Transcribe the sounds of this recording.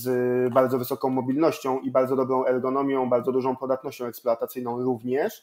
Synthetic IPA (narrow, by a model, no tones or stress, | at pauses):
zbaɾd̪zɔvɘsɔkɔ̃w̃mɔbʲilnɔɕt͡ɕɔ̃w̃ʔibaɾd̪zɔd̪ɔbɾɔ̃w̃ɛɾɡɔnɔmʲjɔ̃w̃baɾd̪zɔd̪uʐɔ̃w̃pɔd̪at̪nɔɕt͡ɕɔ̃w̃ɛkspluat̪at̪sɘjnɔ̃w̃ɾuvɲɛʂ